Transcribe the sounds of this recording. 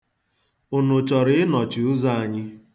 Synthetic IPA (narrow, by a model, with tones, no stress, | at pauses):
ʊ˨nʊ˨t͡ʃɔ˨ɾɪ˦ɪ˦nɔ˨t͡ʃʊ˨ʊ˦za˦˨a˨ɲɪ˦